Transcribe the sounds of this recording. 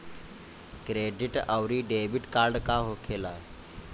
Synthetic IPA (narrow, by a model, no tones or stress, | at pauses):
kɾeɖiʈəwɾiːɖebiʈkaɾɖkaɦokʰela